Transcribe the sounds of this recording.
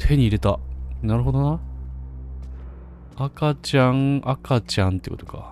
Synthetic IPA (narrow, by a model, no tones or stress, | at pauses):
t̪ʰe̞ɲ̟iːɾe̞t̪anaɾɯ̟ɦo̞d̪o̞na | akat͡ɕãŋʔakat͡ɕãnt̪eiɯ̰ko̞t̪o̞̥ka̰